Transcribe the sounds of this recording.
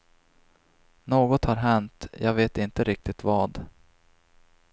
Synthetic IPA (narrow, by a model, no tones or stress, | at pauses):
noːɡɔt̪haɾɦɛnt̪jɑ̰ːɡveːt̪ɪnt̪əɾɪk̚t̪ɪt̪vɑːd̪